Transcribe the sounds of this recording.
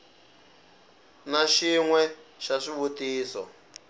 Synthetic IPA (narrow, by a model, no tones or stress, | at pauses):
naʃiŋwɛʃaʂiβutiːsɔ̰